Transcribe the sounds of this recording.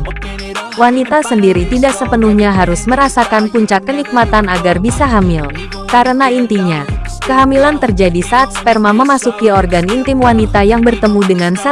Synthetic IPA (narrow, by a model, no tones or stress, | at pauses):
wanit̪asəndiɾit̪idaksəpənuhɲaɦaɾʊsməɾasakanpuɲt͡ʃakːənik̚mat̪anaɡarbisaɦamɪl | kaɾənaint̪iɲa | kəɦamilant̪ərd͡ʒadisaːt̪̚spɛrmaməmasukiɔrɡanint̪ɪmwanit̪ajaŋbərt̪əmudəŋansa